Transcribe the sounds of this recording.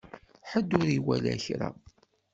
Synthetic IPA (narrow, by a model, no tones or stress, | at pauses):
ħəd̪ːʊɾiwælæçɾa̰